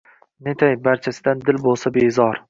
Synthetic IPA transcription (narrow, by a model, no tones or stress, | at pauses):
net̪ʰajbaɾt͡ʃʰasɪd̪and̪ɪlbolˠsabezɒɾ